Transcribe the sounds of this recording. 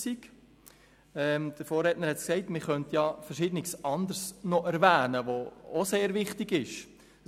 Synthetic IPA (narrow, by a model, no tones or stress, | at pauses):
sik | ɛːmd̥əɾfoːɾɛtnəɾhɛtsksɛɪtmɪχœntjɑfəɾʃɪːd̥ənɪsɑndəɾsnoʔæɾvæːnəʋoo̰seːɾvɪχtɪɡɪʃ